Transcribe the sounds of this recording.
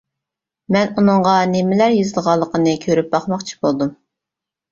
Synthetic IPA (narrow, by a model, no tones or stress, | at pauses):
mɛnunɨŋʁɑnemɪlæɾjizɨlˠʁɑlˠːəqʰənɨkʲʰøɾyp̚bɑχmɑχt͡ʃʰi̥bolˠd̪um